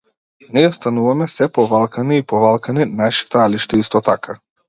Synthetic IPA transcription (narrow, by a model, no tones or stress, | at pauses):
niɛst̪anuvamɛsɛpɔvalˠkaniːpɔvalˠkaninaʃi̥t̪aaliʃt̪ɛist̪ɔt̪akʰa